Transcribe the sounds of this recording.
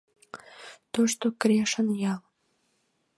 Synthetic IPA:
t̪oʃt̪okɾʲeʃənjɑl

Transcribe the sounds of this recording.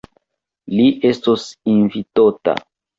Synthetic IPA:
liʔe̞stosinvitota̰

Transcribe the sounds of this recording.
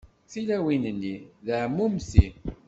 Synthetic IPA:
θilæwinənːiðəʕmːumsi

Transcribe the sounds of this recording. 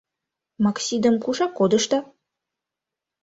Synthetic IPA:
mɑksʲid̪ə̆mkuʃɑkːod̪ə̆ʃt̪ɑ

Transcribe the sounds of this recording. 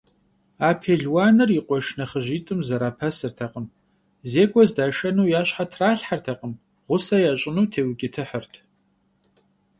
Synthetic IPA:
aːpʰeːɮwaːnɨriqʷɔʃnɐχəʒiːtʼɨmzɐɾaːpʰɐsɨrtʰɐqəm | zeːɡʷʼɔzdaːʃɐnuːjaːɕħatʰraːɬħartʰɐqʼəm | ʁʷʊsɐjaːɕʼɪnuːtʰeːwkʲʼɪtʰɨħərtʰ

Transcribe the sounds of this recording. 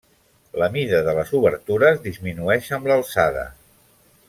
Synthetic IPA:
ləmiðəðələzuβəɾt̪uɾəzðizminuɛʃəmləlˠsaðə̰

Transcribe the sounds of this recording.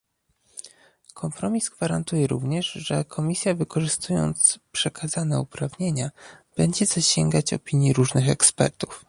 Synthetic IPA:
kʰɔmpɾɔmʲizɡvaɾant̪ujɛɾuvɲɛʂʐɛkʰɔmʲisʲjavɘkɔʐɘst̪ʰujɔ̰nt̪spʂɛkʰazanɛupɾavɲeɲab̥ɛɲd͡ʑɛzaɕɛŋɡat͡ɕɔ̰pʲiɲjiɾuʐnɘxɛkspɛ̰ɾt̪u̥f

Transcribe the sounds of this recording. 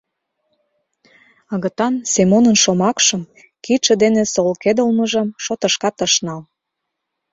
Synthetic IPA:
ə̆ɣə̆t̪ɑnsemonənʃomɑkʃɤ̆m | kiʃĕd̪enesolked̪əlmə̆ʒə̆mʃot̪ɤ̆ʃkɑt̪əʃnɑl

